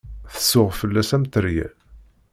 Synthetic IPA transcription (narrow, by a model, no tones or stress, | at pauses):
θə̥sːʊʁfəlːæsæmt̪əɾjæ̰